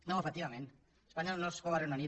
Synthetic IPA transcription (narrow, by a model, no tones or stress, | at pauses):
nõefek̚t̪iβamẽn | espaɲolnoskoβaɾenani